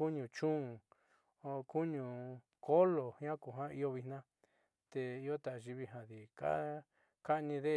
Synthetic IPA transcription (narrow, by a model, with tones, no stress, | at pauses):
u˦ɲũ˨t͡ʃũ˦˨˧ | ku˦ɲũ˨ | ko˦lo˨hã˦ku˨ɦã˦i˦˧o˧βi˧nã˦ | t̪e˧i˦o˦t̪a˨ʔʒi˧βi˧ɦã˧ði˨ka̰˦ | ka˦˧nĩ˧ðe˦